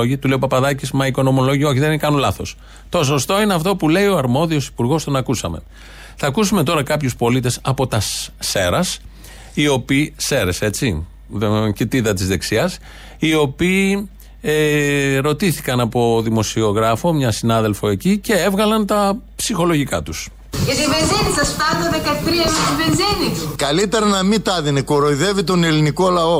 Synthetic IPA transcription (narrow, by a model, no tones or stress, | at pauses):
oʝit̪uleopɐpɐðɐcismɐiko̞no̞mo̞lo̞ʝio̞çiðekɐnulɐθo̞s | t̪os̬o̞st̪o̞ineɐft̪o̞pule̞io̞ɐɾmo̞ðio̞si̥puɾɣo̞st̪o̞nɐkusɐme̞̰ | θɐkusume̞t̪o̞ɾɐkɐpçuspo̞lit̪e̞sɐpo̞t̪ɐsːe̞ɾɐs | io̞piːse̞ɾe̞se̞t͡si | cit̪iðɐt̪izðe̞ksiɐs | io̞piː | eɾo̞t̪iθikɐnɐpo̞ðimo̞sio̞ɣɾɐfo̞mɲɐsinɐðe̞lfo̞e̞cice̞e̞vɣɐlɐnt̪ɐpsixo̞lo̞ʝikɐt̪us | ʝɐt̪ivenzenisɐst̪ɐneðekɐt̪ɾiɐmeivenzenikɐlit̪eɾɐnɐmit̪ɐðinekoɾoiðe̞vit̪oneliniko̞lɐo̞